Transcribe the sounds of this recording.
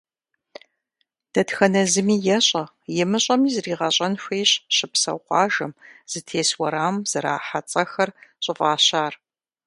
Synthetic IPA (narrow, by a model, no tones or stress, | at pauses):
d̥ɐdxɐnɐzɨmiːjɛɕʼɐ | jɪmɨɕʼɐmiːzriːʁɐɕʼɐnɕʷeːjɕɕɪpsɐ̰wqʷɑːʒɐmz̥ɨtʰeːswɐɾaːmz̥ɐɾa̰ːħat͡sʼɐxɐrɕʼɪfʼaːɕaːr